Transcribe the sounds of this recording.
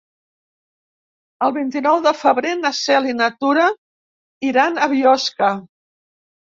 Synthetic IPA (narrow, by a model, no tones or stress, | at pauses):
əlˠβint̪inɔwðəfəβɾenəsɛlinət̪uɾə | iɾanəβiɔskə